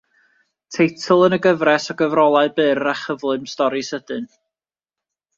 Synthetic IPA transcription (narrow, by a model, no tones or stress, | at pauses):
tʰejtʰlˠənəɡəvrɛsɔɡəvrɔlˠaɨbɨːraχəvlˠɨmstɔɾisəd̥ɨn